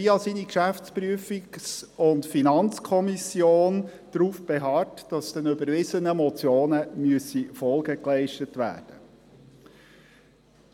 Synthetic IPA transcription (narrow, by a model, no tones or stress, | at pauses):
iːɑsinikʃæft͡spɾyəfiɡsʊntfinɑnt͡skʰɔmisjoːnd̥ɾuːfb̥ɛɦɑtd̥ɑsd̥ɛnybəɾvɪsənəmɔt͡sjoːnəmyəsifɔlˠɡəklɛɪʃtətʋæ̰ːrd̥ə